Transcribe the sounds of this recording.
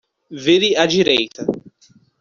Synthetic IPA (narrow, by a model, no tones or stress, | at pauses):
veɾɪɐd͡ʒiɾejt̪ɐ